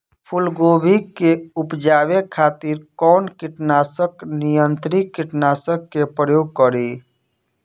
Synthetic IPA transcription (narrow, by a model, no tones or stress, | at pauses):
pʰulɡobʱikeupd͡ʒabekʰat̪iɾkɔnkiʈnasəknijənt̪ɾikkːiʈnasəkːepɾəjoɡ̚kəɾi